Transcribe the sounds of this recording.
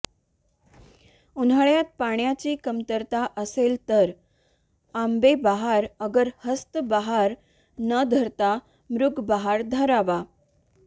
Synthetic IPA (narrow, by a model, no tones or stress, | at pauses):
unəɭjat̪̚paɳ̃jat͡ɕiːkəmt̪əɾt̪aʔəselt̪əɾ | ambebaɦaɾəɡəɾhəst̪əbaɦaɾ | nəd̪ʱəɾt̪a | mɾuɡʱbaɦaɾd̪ʱəɾaʋa